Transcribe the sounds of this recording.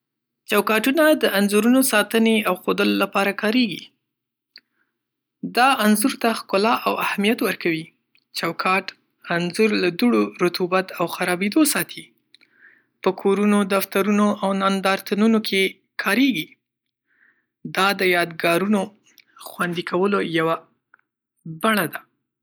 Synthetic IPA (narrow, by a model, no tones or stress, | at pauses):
t͡ʃawkɑʈunad̪əanzuɾunosɑt̪əneawxod̪əlolapɑɾakɑɾeɡḭ | d̪ɑanzʊɾt̪axkʊlɑʔawahmijat̪wəɾkawi | t͡ʃawkʰɑʈ | anzʊɾlad̪uɽoɾʊt̪ubat̪awxaɾɑbed̪osɑt̪ʰi | pəkʰoɾunod̪aft̪aɾunoʔawnand̪ɑɾt̪anunokʰe | kʰɑɾeɡi | d̪ɑd̪əjɑd̪ɡɑɾuno | xwand̪ikʰawəlojawa | baɳad̪a